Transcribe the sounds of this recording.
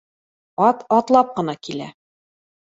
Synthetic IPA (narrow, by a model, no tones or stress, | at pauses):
ɒt̪ɒt̪lˠɑp̚qɤ̆nɑkilæ̰